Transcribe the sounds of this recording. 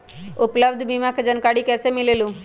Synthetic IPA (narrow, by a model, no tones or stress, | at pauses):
ʊpləbd̪ʱbimãked͡ʒənkaːɽikɛːsemɪleːlũː